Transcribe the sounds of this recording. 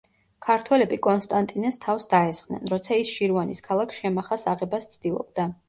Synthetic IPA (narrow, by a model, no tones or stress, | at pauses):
kʰaɾt̪ʰwɛlɛbikʼɔnst̪ʼant̪ʼinɛst̪ʰafsd̪aɛsχnɛ̰nɾɔt̪sʰaisʃiɾvaniskʰalˠakʰʃɛmaχasaʁɛbast̪sʰd̪̥ilˠɔ̰b̚d̪a